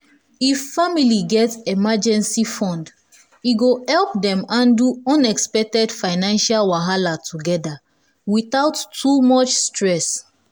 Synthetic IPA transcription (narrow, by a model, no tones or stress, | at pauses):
ifːamiliɡɛtɛmad͡ʒɛ̃nsifɔ̃nd | iɡohɛlp̚dɛ̃mãnduɔ̃nɛkspɛk̚tɛdfaɪnãnʃalwaɦalatʰuɡɛda | wiθaʊtːumɔt͡ʃstɹɛs